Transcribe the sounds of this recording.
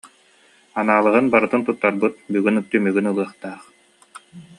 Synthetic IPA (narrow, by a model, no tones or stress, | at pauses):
anaːlˠɯʁɯnbaɾɯt̪ɯnt̪ut̪ːaɾbɯt̪̚byɡynɯk̚t̪ːymyɡynɯlˠɯɐχt̪aːχ